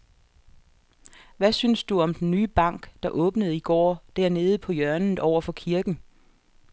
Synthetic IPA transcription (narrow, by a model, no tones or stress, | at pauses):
ʋæsynsd̥uɒ̽md̥enːyːb̥ɑ̈ŋ̰ɡ̥d̥ɑ̈ʔɔ̽ːb̥nəð̞̩ˠiɡ̥ɒ̰ːd̥æɐne̝ːð̞̩ˠpʰɒ̽jœɐnð̩ˠɒʊ̰ɐfɒ̽kʰiɐɡ̥n̩